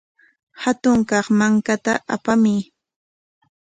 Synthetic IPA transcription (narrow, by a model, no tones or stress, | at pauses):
hat̪ʊŋkɑχmaŋkat̪aʔa̰pamɪ